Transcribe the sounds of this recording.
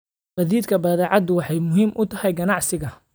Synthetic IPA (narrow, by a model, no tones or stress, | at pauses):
bɐðiːd̪kʰɐbɐːðɛːʕɑd̪ʊwɑħɑjmʊɦiːmʔʊt̪ʰɐhɛjɡɐnɑʕsɪɣɐ